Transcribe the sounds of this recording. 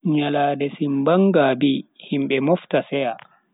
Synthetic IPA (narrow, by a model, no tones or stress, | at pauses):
ɲalaːdɛsimbaŋɡabihimɓɛmɔftasɛja